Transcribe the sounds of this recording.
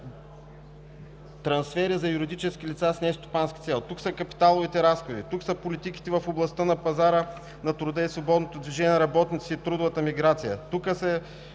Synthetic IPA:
t̪ɾɐnsfɛɾizɐjuɾid̪it͡ʃɛskilit̪sasnɛst̪o̥panski̥t̪sɛlˠt̪uksəkɐpi̥t̪alˠʊvit̪ɛɾasxod̪it̪uksəpolit̪iki̥t̪ɛvəfʊblˠɐst̪ənɐpɐzaɾə | nɐt̪ɾʊd̪əisvobɔd̪not̪od̪viʒɛnʲiɛnɐɾɐbɔt̪nit̪siit̪ɾud̪ʊvət̪əmiɡɾat̪sijə̰t̪ukəsɛ

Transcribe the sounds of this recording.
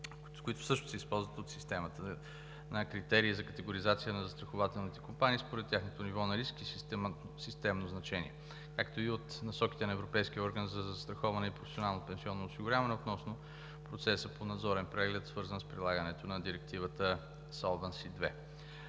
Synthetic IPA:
skʊit̪ʊ̥sɤʃt̪ʊ̥sɛispɔlˠzvət̪ot̪sist̪ɛmət̪ə | nɐkɾit̪ɛɾiːzɐkət̪ɛɡoɾizat̪sijənɐzɐst̪ɾɐxʊvat̪ɛlˠnit̪ɛkompaniːspoɾɛt̪ːʲjaxnot̪onivɔnɐɾiski | sist̪ɛmnoznɐt͡ʃɛnḭɛ | kakt̪oiot̪nɐsɔkʲi̥t̪ɛnɐɛvɾopɛjsk̟iɔɾɡənzɐzɐst̪ɾɐxɔvɐnɛipɾoʊfɛ̥sionalˠnopɛnsiɔnːoːsiɡʊɾʲjavɐnɛot̪nɔsno | pɾot̪sɛsəponɐd̪zɔɾɛnpɾɛɡlɛt̪svɤɾzənspɾilˠaɡənɛt̪onɐd̪iɾɛk̚t̪ivət̪ə | salˠvɛnsid̪vɛ

